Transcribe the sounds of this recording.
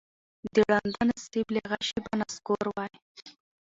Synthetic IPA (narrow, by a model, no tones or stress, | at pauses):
d̪əɽand̪anast̪ibleɣaʃibanaskoɾwaj